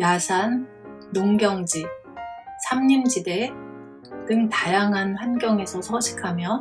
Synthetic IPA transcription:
jasʰanː | oŋɡjʌŋd͡ʑi | sʰamɲimd͡ʑide | tɯŋtajaŋɦanɸanɡjʌŋe̞sʰʌsʰʌɕʰi̥kʰamjʌ

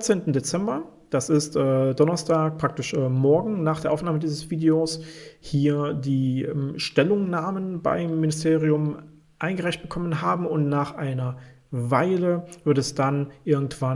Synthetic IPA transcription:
t͡seːntn̩det͡sɛmbɐd̥asɪstʔɛːdɔnɐstʰaːk̚pʁ̥ak̚tɪʃɛmɔɐɡŋ̩naːχd̥eːɐʔaʊfnaːmədiːzəsv̥iːdeoːshiːɐdiːʔɛmʃtɛlʊŋnaːmənba̰ɪmːɪnɪstʰeːʁiʊm | ʔaɪnɡəʁaɪçt̚b̥əkʰɔmənɦaːbm̩ʊntnaːχʔaɪnɐ | vaɪləvɪɐtɛsd̥anʔɪɐɡŋ̩tv̥a

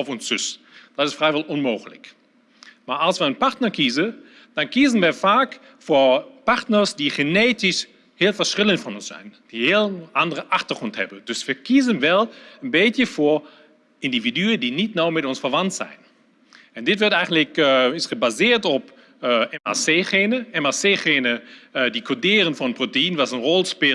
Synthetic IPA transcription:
ɔfɔnsʏs | d̥ɔtɪsfrɛjʋɔlˠɔnmoːxələ̰k | maːɹɑlˠsʋəənpaɹtnəɹkizə | d̥ɑnkizənʋəfaːk | fopaɹtnərsdiχəneːtɪs | hɪːlˠfəɹsrɪlənfɔnɔnsɛ̰jnd̥ihɪəlʔandərəʔaχtəχɔnthɛ̰bəndøsʋəkizənʋɛlˠənbeːtjəfoɹ | ɪndividyədinitnawmɛtɔnsfərʋɑntsɛ̰jn | ɛndɪtʋɔtɛjχəntləkɪsχəbazɪːtɔpː | ɛma̰seχeːnəɛmaseːχeːnədikʰodɪːʁənfɔnənprotəinʋasənrɔlˠspe

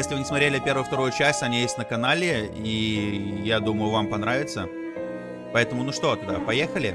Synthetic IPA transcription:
jesʲlʲɪvɨnʲɪsmɐt̪ɾʲelʲɪpʲe̞rɾvʊjʊft̪ɐɾujʊt͡ɕæsʲtʲɐnʲijesʲtʲnəkɐnalʲɪ | ijad̪uməjʊvampɐnɾavʲɪt̪sə | pɐɛt̪əmʊnuʂt̪o̞t̪ʊd̪apɐjexəlʲɪ

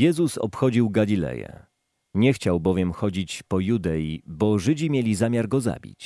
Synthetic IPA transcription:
jɛzusɔ̰pxɔd͡ʑiwɡalʲilɛ̰jɛ̰ | ɲɛxt͡ɕawbɔvʲjɛmxɔd͡ʑit͡ɕpɔjud̪ɛjibɔʐɘd͡ʑimʲjelʲizamʲjaɾɡɔza̰bʲḭt͡ɕ

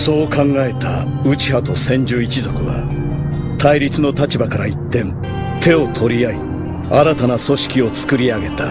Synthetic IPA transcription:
so̞ːkãŋɡae̞t̪aɯ̟t͡ɕi̥hat̪o̞sẽ̞ɲ̟d͡ʑoːit͡ɕizo̞kɯ̟βa̰ | t̪ʰaiɾʲit͡sɨno̞t̪at͡ɕibakaɾait̪ːẽ̞n | t̪ʰe̞o̞t̪ʰo̞ɾʲijai | aɾat̪anaso̞ɕi̥kʲio̞t͡sɨ̥kɯ̟ɾʲiaɡe̞t̪a

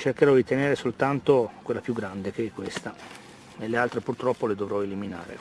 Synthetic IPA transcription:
t͡ʃerkeɾɔd̪it̪eneːɾesolt̪ant̪okwelːapjuɡːɾand̪ekekːwest̪a | nelːealt̪ɾepurt̪ɾɔpːoled̪ovɾɔelimina̰ːɾḛ

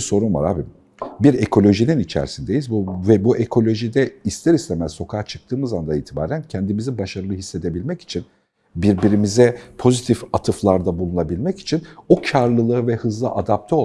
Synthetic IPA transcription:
so̞ɾunva̰ɾa̰ːbi | biɾekʰo̞lʲo̞ʒininit͡ʃʰæ̰ɾsind̪e̞jizbuvɛbuʔekʰo̞lʲo̞ʒid̪ɛist̪ʰeɾist̪emæzso̞kʰaːt͡ʃʰɯ̥k̚t̪ʰɯːmɯzand̪aiːt̪ʰiba̰ːɾæncʰɛnd̪imizibaʃaɾɯlˠɯɦisːe̞d̪e̞bilʲmɛci̥t͡ʃʰin | biɾbiɾimizɛpʰo̞zit̪ʰifat̪ʰɯflˠaɾd̪abulˠunabilʲmɛci̥t͡ʃʰinocʰaɾlˠɯlˠɯvɛhɯzlˠɯʔad̪ap̚t̪ʰɛo

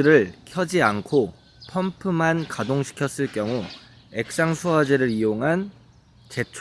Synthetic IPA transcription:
ɾɯɭkʰjʌd͡ʑiankʰo | pʰʌmpʰɯmankadoŋɕʰi̥kʰjʌs͈ɯɭk͈jʌŋu | e̞k̚s͈aŋsʰuad͡ʑeɾɯɾijoŋɦan | t͡ɕe̞t͡ɕʰ

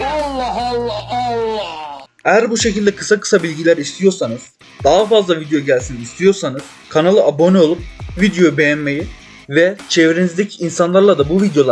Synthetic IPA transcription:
lːlːlː | ejæɾbuʃe̞cʰilʲd̪ɛkʰɯ̥sakɯ̥sabilʲɟilʲæɾist̪ʰijo̞ɾsanɯz̥ | d̪aɦafazlˠavid̪ejo̞ɟælʲsinist̪ʰijo̞ɾsanɯz̥ | kʰanalˠɯabo̞nio̞lˠup̚vid̪ejo̞bejænmeji | vɛt͡ʃʰevɾenizd̪ecʰiːnsanlˠaɾlˠad̪abuvid̪jo̞lˠ

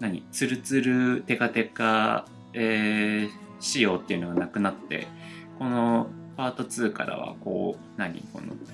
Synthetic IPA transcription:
naɲ̟ḭt͡sɨɾɯ̟t͡sɨɾɯ̟t̪e̞ɡat̪e̞ka | eː | ɕijo̞ːt̪ːe̞iɯ̟no̞ɡanakɯ̟nat̪ːe̞̰ | ko̞no̞ | paːt̪o̞t͡sɨːka̰ɾa̰βa̰ko̞̰ː | naɲ̟ḭko̞̰no̰

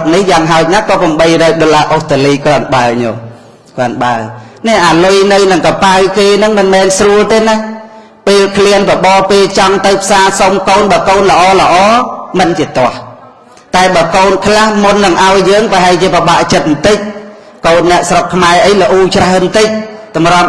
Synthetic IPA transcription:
t̚nihjaːŋɦaɔc̚nakɑːpəmɓəjrɔːk̚ɗolaːʔoht̪əliːkɔ̆ənɓaəɲo | kənɓa̰ə | nɛʔaːlujnɨwnɨŋkɑpawkeːnɨŋmɨnmɛːnsruəlt̪eːnah | peːlkʰliənpəɓɑːpeːlt͡ɕɑŋt̪ɨwpʰsaːsomkoːnɓɑːkoːnlə̆ʔɑːlə̆ʔɑːmɨnt͡ɕiət̪ŏəh | t̪aɛɓaːkoːnkʰlahmunːɨŋʔaɔjːəːŋpəɦaɛlt͡ɕiəpəɓaʔt͡ɕət̪̚mt̪ɨc̚ | koːnːɛ̆əʔsrokʰːmaɛʔəjlə̆ʔuːt͡ɕraənt̪ɨc̚t̪ɑmrŏm̚

